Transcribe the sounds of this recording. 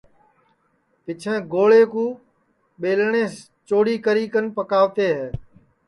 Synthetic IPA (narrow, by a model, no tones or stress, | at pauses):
pɪt͡ʃʰɛ̃ːɡoːɭeːkũː | ɓeːlɳẽːs | t͡ʃoːɽiːkəɾiːkənpəkaːʋt̪eːɦɛː